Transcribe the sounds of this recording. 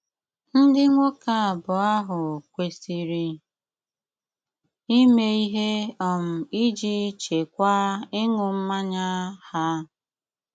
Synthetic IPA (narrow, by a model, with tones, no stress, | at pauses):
n̩˦dɪ˦ŋʷo˦ka˨a˨bʊ˨a˦ɦʊ˨kʷe˨si˨ɾi˦ | i˦me˦i˦ɦe˦ɔ˦˨m̩˨i˦d͡ʒi˦t͡ʃe˨kʷa˦ɪ˦ŋʊ˨m̩˦ma˦ɲa˦ha˦